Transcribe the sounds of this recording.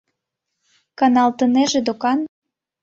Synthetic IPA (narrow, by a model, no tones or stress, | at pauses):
kɑnɑlt̪ə̆neʒĕd̪okɑn